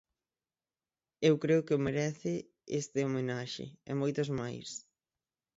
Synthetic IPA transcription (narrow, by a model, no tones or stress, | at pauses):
ewkɾeʊkɪomeɾɛθɪ | est̪ɪomenaʃɪ̰ɛ̰mojt̪ʊzmajs